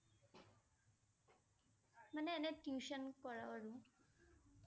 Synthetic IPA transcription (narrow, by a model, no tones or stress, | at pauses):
məneːneʈjuːʃənkɔɭaʋəɽũ